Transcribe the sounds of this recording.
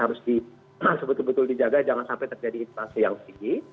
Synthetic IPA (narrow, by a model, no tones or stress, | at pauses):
haɾʊsdi | haɾʊsbət̪ʊlbət̪ʊldid͡ʒaɡad͡ʒaŋansampɛt̪ərd͡ʒadiːnpasijaŋsətiɡi